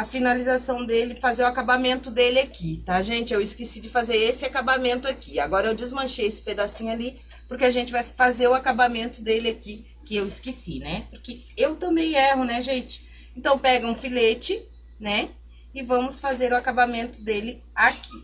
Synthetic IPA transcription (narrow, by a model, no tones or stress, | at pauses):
ɐfinalizasɐ̃w̃d̪elɪfazeɾʊakabamẽnt̪ʊd̪elɪakit̪aʒẽnt͡ʃɪewɪskesid͡ʒɪfazeɾesɪakabamẽnt̪ʊakia̰ɡɔɾɐewd͡ʒɪzmɐ̃ʃejesɪ̥ped̪asĩɲʊali | pʊɾkɪaʒẽnt͡ʃɪvajfazeɾʊakabamẽnt̪ʊd̪elɪaki | kɪewɪskesinɛpʊɾkɪ | ewt̪ɐ̃mbẽj̃ɛɦʊnɛʒẽnt͡ʃɪ̥ | ẽnt̪ɐ̃w̃pɛɡɐũfilet͡ʃɪ | nɛ | ɪvɐ̃mʊsfazeɾʊakabamẽnt̪ʊd̪elɪ | akʰi